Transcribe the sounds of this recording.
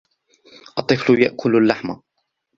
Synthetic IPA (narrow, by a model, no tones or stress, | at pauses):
ʔɑt̪ˤːɨflʊjaʔkʰʊlʊlːaħma